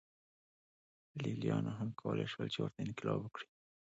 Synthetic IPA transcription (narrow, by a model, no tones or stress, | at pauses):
lilijɑnaɦamkʰawəlʔeʃwəlt͡ʃewəɾt̪aɪnkɪlɑbəkɽi̥